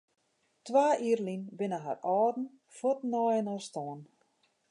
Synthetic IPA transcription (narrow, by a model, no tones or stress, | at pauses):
tʋaːʔiːrlinbɪnəɦa̰rɔːdn̩ | fotnɔjənɔstɔən